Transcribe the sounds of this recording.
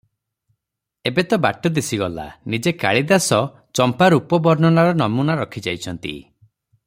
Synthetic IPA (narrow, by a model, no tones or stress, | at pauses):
ebet̪ɔbaʈɔd̪isiɡɔla̰nid͡ʒekaɭid̪asɔ | t͡ʃɔmpaɾupɔbɔɾnɔnaɾɔnɔmunaɾɔkʰid͡ʒajt͡ʃʰɔnt̪ḭ